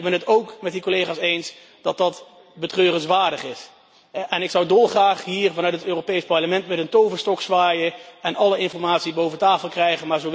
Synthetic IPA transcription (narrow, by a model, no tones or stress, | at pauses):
ɡbɛnɦətowkmɛt̚ikolejχaːsejns | d̥ɑt̚dɑt | bətrøːrənsʋaːɹdəχɪs | ɛnɪksʌwdolˠχraːχɦiːɹvɑnœɥtətøːropejspɑɹləmɛntmɛtəntowvəstɔksʋaːjəɛnʔɑləɪnfɔɹmaːtsibowvətaːfəlˠkrɛjχənmaːɹzow